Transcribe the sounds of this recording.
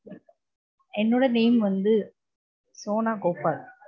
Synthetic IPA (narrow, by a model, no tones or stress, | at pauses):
ɛnːoɽɐneːmʋɐnd̪ɯ | soːnaːkoːpaːɾ